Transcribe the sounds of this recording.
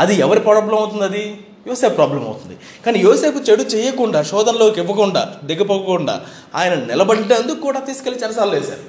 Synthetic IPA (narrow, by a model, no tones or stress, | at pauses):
ɐd̪iɛʋɐɾipaːɽɐblɐmɐwt̪und̪ɐd̪i | joːseːppɾaːblɐmɐ̰wut̪und̪i | kaːnijoːse̞ːput͡ʃeɽut͡ʃɛːjɐkuɳɖaːʃɔːd̪ɐnlo̞ːkiʋːɐkuɳɖa̰ːd̪eɡɐpoɡɐkuɳɖa̰ː | a̰ːjɐnɐnɪlɐbɐɽɖend̪ukkːuːɽaːt̪iːsukelit͡ʃɐnɐs̬aːluleːsa̰ːɾu